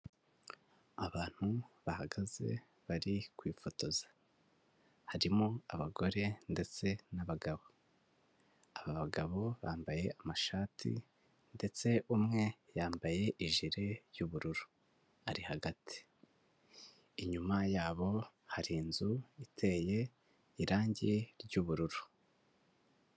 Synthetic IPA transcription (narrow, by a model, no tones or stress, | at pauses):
aβaːn̥huβahaɡaze̞̰ | βaɾikwiːfo̞to̞zḁ | haɾimoaβaɡo̞ɾe̞nde̞t͡se̞naβaɡaβo̞ | aβaβaɡaβo̞βaːmbaje̞ʔamaʃaːtʰḭ | nde̞t͡se̞ʔumŋe̞jaːmbaje̞ʔiʒiɾe̞ɾjuβuɾuɾu̥ | ha̰ɾihaɡatʰi̥ | iɲumajaːβo̞ | haɾiːnzuitʰe̞ːje̞ | iɾaːɲɟiɾɟuβuɾuɾu